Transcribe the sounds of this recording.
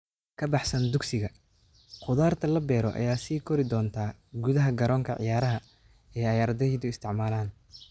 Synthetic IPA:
kʰɐbɑħsɐnd̪ʊɡsɪɣɐ | qʊðaːrt̪ʰɐlɐbɛːɾɔʔɐ̰jaːsiːkʰɔɾɪd̪ɔːnt̪ʰaːɡuðɐɦɐɡɐɾɔːŋkʰɐʕɪ̰jaːɾɐɦɐ | ɛːɑjaːɾɐðɛɦɛːd̪ʊɪst̪ʰɪʕmaːlaːn

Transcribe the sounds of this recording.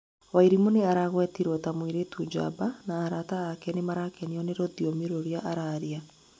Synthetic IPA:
waiɾimuneaɾaɣwɛtiɾwɔtamwiɾetud͡ʒa̰banaːɾataːkɛnemaɾakɛniɔneɾɔðiɔmiɾoɾiaʔaɾaɾia

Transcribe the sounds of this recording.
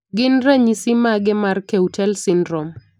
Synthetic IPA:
ɡɪnɾaɲisimaɡɛmarkeutʰɛlsɪndɾɔm

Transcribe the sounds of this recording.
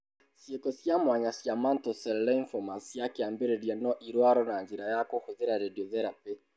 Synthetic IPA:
sjekɔsjamwaɲasjamantɔsɛllɛiɱfɔmasijakeambeɾeɾianɔʔiɾwaɾɔnaɲd͡ʒeɾajakohoðeɾaɾediɔðɛɾape

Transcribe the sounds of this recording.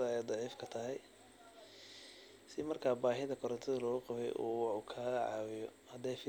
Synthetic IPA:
ɐɛjd̪ˤɑʕiːfkʰɐt̪ʰɐɦɛj | sɪmɐrkʰaːbaːɦɪðɐkʰɔɾɐnt̪ʰɪðɐlɔːɣʊqɑβɛ̰jʔṵːwukʰaːʕɑ̰ːwɪjɔ | hɐd̪ɛːfɪ

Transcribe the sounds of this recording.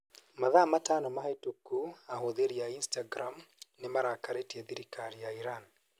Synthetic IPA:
maðamatanɔmaɦatukːuahoðeɾiainstaɡɾamnemaɾakʰaɾetieðiɾikʰaɾijaiɾan

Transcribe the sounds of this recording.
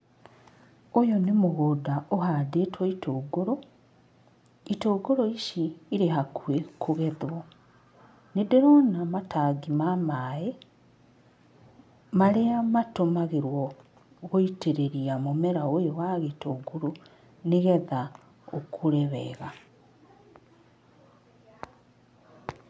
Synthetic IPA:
ojɔnemoɣodaohadeːtwɔitʰoːɡoɾo | itoːɡoɾoiʃiːɾeɦakuekʰoɣɛðwɔ | nedeɾɔnamatʰaːɡimamaːe | maɾeamatomaɣeɾwɔ | ɣoiteɾeɾiamomɛɾaojowaɣetoɡoɾo | neɣɛða | okʰoɾɛβɛːɣa

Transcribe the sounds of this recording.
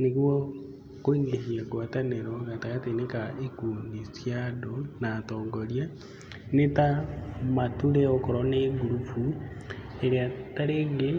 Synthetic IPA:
neɣwɔ | koindehiakwataneɾɔɣataɣatenekaekuːndisjadɔnatɔːŋɡɔɾja | netamatuɾɛokɔɾɔneɡuɾupu | eɾeataɾeːŋɡe

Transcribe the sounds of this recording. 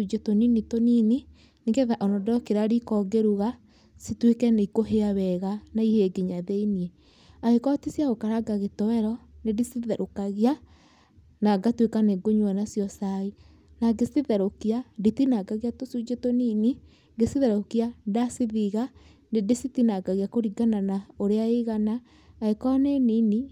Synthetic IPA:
ud͡ʒetoninitonini | neɡeðaʔɔnɔdɔɾɔkeɾaɾikɔɡeɾuɣa | sitwekɛneikoɦeaβɛɣanaiheɡeɲaðeiniɛ | aɣekɔtisjaɣokaɾaɡaɣetɔwɛɾɔnedisiðɛɾʔokaɣia | naɡatwekaneɡoɲwanasjɔsai | naɡesiðɛɾokiaditinaɡaɣiatosud͡ʒetonini | ɡesiðɛɾokiadasiðiɣa | nedesitinaɡaɣiakoɾiɡananaoɾeaeɣanaː | ɣekɔnenini

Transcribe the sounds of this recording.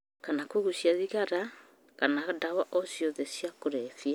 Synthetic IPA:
kanakoɣusjaðiɣaɾa | kanadawaʔɔsjɔðɛsjakoɾɛfia

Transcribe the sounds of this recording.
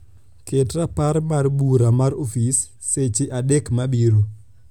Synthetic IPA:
ketɾapaɾmarbuɾamaɾofisː | et͡ʃeʔadekmabiɾu

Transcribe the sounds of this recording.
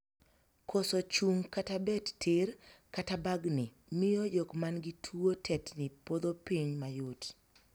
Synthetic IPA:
kʰosot͡ʃuŋkatabɛttʰɪrkatabaɡnɪ | mɪjojokmanɡitʰwuotʰɛtnɪpod̪opiɲmajot

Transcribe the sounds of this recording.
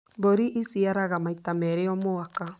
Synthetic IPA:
boɾiʔisiaɾaɣamaitamɛɾeɔmoaka

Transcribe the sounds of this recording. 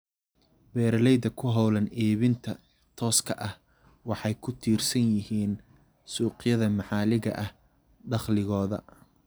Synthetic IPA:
bɛːɾlɛjd̪ɐkʰʊɦɑwlɐnɛːβɪnt̪ʰɐ | t̪ʰɔːskʰɐʔɐh | wɑħɑjkʰʊt̪ʰiːrsɐnjɪhiːn | suːqjɐðɐmɑħɑːlɪɣɐ̰ʔɐh | ɖɑχlɪɣɔːðɐ̰

